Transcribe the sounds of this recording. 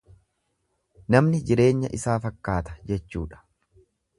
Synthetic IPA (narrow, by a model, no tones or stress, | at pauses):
nɐmnɪd͡ʒɪɾe̞ːɲːɐʔɪsaːfɐkːaːt̪ɐ̥d͡ʒɛt͡ʃːṵːᶑɐ̥